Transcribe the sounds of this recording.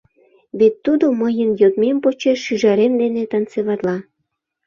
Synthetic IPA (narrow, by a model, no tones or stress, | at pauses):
βet̪ːud̪oməjənjot̪mempot͡ɕeʃyʒɑɾemd̪enet̪ɑnt͡seβɑt̪lɑ